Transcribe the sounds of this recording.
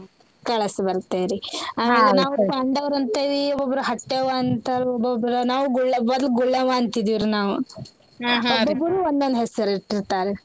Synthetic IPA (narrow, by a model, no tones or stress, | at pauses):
kɐɭɐsbɐɾt̪ːeːɾiaaɡɐnaːʋɐɳɖɐʋɐɾɐnt̪ɐd̪iɔbɔbɾɐɦɐʈːeʋaɐnt̪aːɾɔbːɔbɾɐnaːʋuɡuɭːɐbɐd̪lɡuɭːɐʋaːɐnt̪id̪iʋɾunaːʋu | ɦɔbɔbːɐɾuːond̪ond̪ɦɛsɐɾiʈːiɾt̪aːɾe